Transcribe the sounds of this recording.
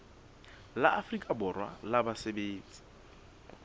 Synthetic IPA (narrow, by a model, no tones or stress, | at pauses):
la̰ʔafrikʼabʊrwa̰labasebeːnt͡sʼi̥